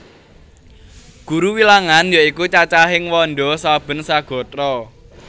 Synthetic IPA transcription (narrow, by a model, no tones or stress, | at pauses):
ɡ̥uɾuwilaŋanjaikut͡ʃat͡ʃaɦɪŋwɔnɖɔsab̥ə̤nsaɡ̥ɔ̤t̪ɾɔ